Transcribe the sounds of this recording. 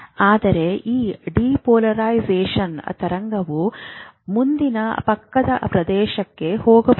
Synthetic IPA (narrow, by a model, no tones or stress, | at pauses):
aːd̪ɐɾe̞ʔiːɖiːpoːlɐɾaːjzeːʃɐnɐ̰t̪ɐɾɐŋɡɐʋu | mund̪inɐpɐkːɐd̪ɐ̰pɾɐd̪ɛːʃɐkːe̞hoːɡɐb